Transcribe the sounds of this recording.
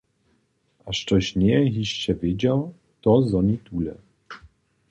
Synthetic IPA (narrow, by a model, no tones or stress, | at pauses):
aʂtɔɕɲɛɣiɕt͡ɕɛvʲjed͡ʑaw | t̪ɔzɔɲit̪ulɛ̰